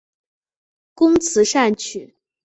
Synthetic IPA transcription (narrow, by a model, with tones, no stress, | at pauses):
kʊ˥ŋt͡sʰɹ̩˧˥ʂa˥˩nt͡ɕʰy˨˩˦